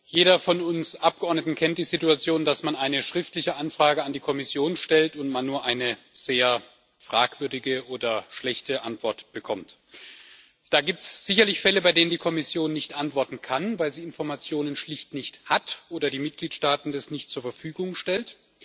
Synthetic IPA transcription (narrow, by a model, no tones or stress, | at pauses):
jeːɾɐfɔnʊnsʔap̚ɡ̥əʔɔɐdnətn̩kʰɛnt̚d̥iːzɪtuat͡sjoːndasmanʔaɪnəʃʁ̥ɪftlɪçəʔanfʁ̥aːɡəandiːkʰɔmɪsjoːnʃtɛltʊntmanːuːɐʔaɪnəz̥eːɐ | fʁ̥a̰ːkv̥ʏɐdɪɡəʔoːdɐʃlɛçtəʔantv̥ɔɐtb̥əkʰɔmt | d̥aːɡiːp̚tsz̥ɪçɐlɪçfɛləbaɪdeːnəndiːkʰɔmɪsjoːnːɪçtʔantv̥ɔɐtn̩kʰanvaɪlziːɪnfɔɐmat͡sjoːnənʃlɪçtnɪçthatʔoːdɐdiːmɪt̚ɡ̥liːtʃtaːtn̩dasnɪçtt͡suːɐfɛɐfyːɡʊŋʃtɛlt